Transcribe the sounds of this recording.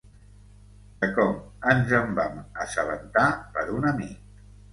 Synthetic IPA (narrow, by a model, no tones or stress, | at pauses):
d̪əkɔmənzəmbaməsəβə̰nt̪apəɾunəmik̚